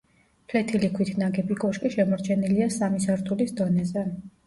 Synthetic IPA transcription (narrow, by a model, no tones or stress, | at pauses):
p̪ʰwɛt̪ʰilikʰwit̪ʰnaɡɛbikɔʃkʼiʃɛmɔɾt͡ʃʰɛniliasamisaɾt̪ʰulisd̪ɔnɛzɛ